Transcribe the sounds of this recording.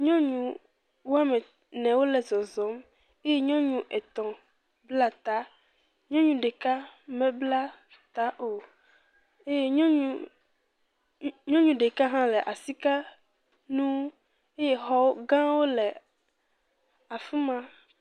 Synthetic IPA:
ɲɔ̃˦ɲũ˨ | wo˦a˦mɛ̃˨ | nɛ̃˨wo˦lɛ˨zɔ˨zɔ˨˦m | e˦je˦ɲɔ̃˦ɲũ˦ʔɛ˨t̪ɔ̃˨ | bla˦t̪a˦ | ɲɔ̃˦ɲũ˨ɖe˨ka˦mɛ̃˨bla˦ | t̪a˦ʔo˨ | e˦je˦ɲɔ̃˦ɲũ˦ | ɲɔ̃˦ɲũ˨ɖe˨ka˦ɦã˦lɛ˨ʔa˨si˦ka˦ | nũ˦ | e˦je˦ɦɔ˦wo˦ɡã˦wo˦lɛ˨ | a˨fu˦mã˦

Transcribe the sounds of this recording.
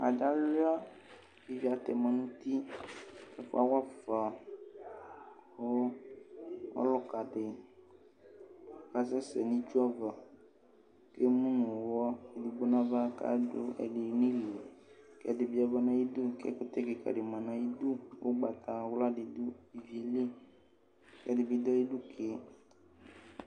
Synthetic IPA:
a̰˨d͡ʒa˦lu˦a˦ | i˦vi˦a˨t̪ɛ˨mã˨nũ˦t̪i˦kɛ˦fo̰˦a˦wa˦fa˨ | xo˦ | ɔ̰˦lɔ˦ka˨ɖe˨˦ | ka˦sɛ˦sɛ˨nĩ˦d͡ʒu˦ɔ˦va˨ | ke˦mũ˦nũ˨wɔ˦e˨du˨bo˦nã˦va˦ka̰˦dʊ˦ɛ̰˨dɪ˨nĩ˦le˨kɛ̰˦dɪ˨bi˦a˦va˦nã˦ji˦d̪u˦kɛ̰˦kʊ˦t̪ɛ˦ke˨ka̰˨ɖɪ˨mã˨nã˨ji˦d̪u˦wo̰˦ɡ͡ba˨t̪a˨wla˦dɪ˨d̪u˦i˨vi˨˦e˨li˦ | kɛ˦dɪ˨bi˦d̪ɔ˦i˦du˦kʰe˦

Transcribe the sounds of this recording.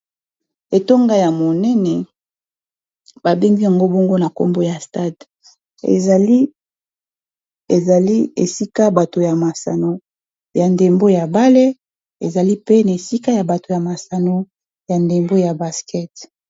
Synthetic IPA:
e˨to˦ŋɡa˦ja˨mo˨nɛ˦nɛ˨ | ba˨be˦ŋɡi˦ja˨ŋɡo˦bɔ˦ŋɡo˦na˨ko̰˦mbo˦ja˨sta˦d | ḛ˨li˦ | e˨za˨li˦e˨si˦ka˦ba˨to˨ja˨ma˨sa̰˨no˦ | ja˨nde˨mbo˦ja˨ba˦le˦ | ḛ˨za˨li˦pe˦na˨e˨si˦ka˦ja˨ba˨to˨ja˨ma˨sa˨no˦ | ja˨nde˨mbo˦ja˨ba˨skɛ˦t

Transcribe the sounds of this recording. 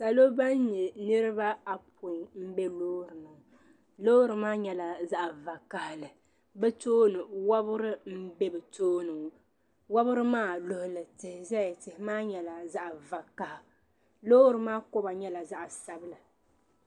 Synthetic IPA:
sa˨lo˦ba˦n˦ɲɛ˨nɨ˦ɾɨ˦ba˦a˨pʰʊ˨m̩˦bɛ˦loː˦ɾɨ˨nɨ˨ | loː˦ɾɨ˨maː˦ɲɛ˦la˨za˦ʔva˨ka˨hlɨ˨ | bɛ˦toː˦nɨ˨wa˦bʊ˦ɾɨ˦m̩˦bɛ˦bɨ˨toː˦nɨ˨ŋ˨ | wa˦bʊ˦ɾɨ˦maː˦lo˨hʊ˨lɨ˨tɪ˨hɪ˨zɛ˦jtɪ˨hɪ˦maː˦ɲɛ˨la˨za˦ʔva˨ka˨h | lo˦ɾɨ˨maː˦kʊ˦ba˨ɲɛ˦la˨za˦ʔsa˨bɨ˦la˨

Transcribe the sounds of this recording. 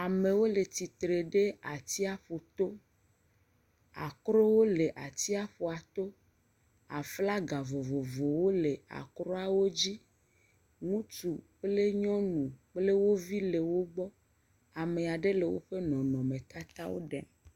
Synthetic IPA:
a˨me˨wo˦le˨t̪i˨t̪ɾe˨ɖe˦a̰˨t̪i˦a˦ɸo˨t̪o˦ | a˨kɾo˦wo˦le˨ʔa˨t̪i˦a˦ɸo˨a˨t̪o˦ | a̰˨fla˦ɡa˨vo˨vo˨vo˨wo˦le˨a̰˨kɾɔ˦a˨wo˦d͡ʑi˦ | ŋũ˦t͡ʃu˨k͡ple˦ɲɔ̃˦nũ˨k͡ple˦wo˦vi˦le˨wo˦ɡ͡bɔ˦ | a˨me˨a˨ɖe˦le˨wo̰˦ɸe˦nɔ̃˨nɔ̃˨mẽ˨t̪a˦t̪a̰˦wo̰˦ɖɛ̰˨m

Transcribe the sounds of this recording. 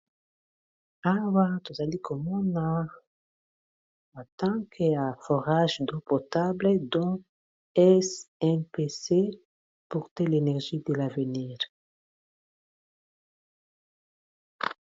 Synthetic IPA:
awa˦t̪u˨za˨li˦kʰo˨mɔ̃˦na | a˨t̪ɑ̃kʰəa˨fo˨ʁaʒd̪o˨pot̪abled̪ɔ̃ | ɛsɛnpese˦ | pu˨ʁt̪ɛ˦le˨nɛʁʒi˦d̪e˨la˨vəniːʁ

